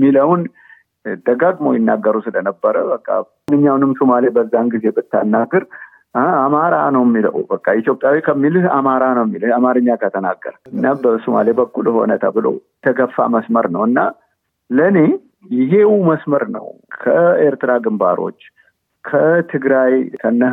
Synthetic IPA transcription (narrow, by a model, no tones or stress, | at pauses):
mːiləwn | d̪əɡaɡmo̞̰jɪnːaɡːəɾusɨlənəbːəɾəbəkʼːa̰ | nɨɲːawnɨmsumalebəzːanɡize̞bɨt̪ːanːaɡːɨɾ | amaɾa̰nəwmːilə̰wbəkʼːait̪jo̞pʼjawikʰəmːilɨhamaɾanəwjmːilɨhamaɾɨɲːakʰət̪ʰəna̰ɡːə̰ɾɨnːabəsuma̰lebəkʼːulho̞̰nət̪ʰə̰bɨlo̞̰t̪ʰəɡəfːa̰məsməɾnəwɨnːa | ləne̞ | jɪɦe̞wuməsməɾnə̰wkʰəeɾt̪ɨɾaɡɨmba̰ɾo̞̰t͡ʃː | kʰət̪ʰɨɡɾajkʰənːə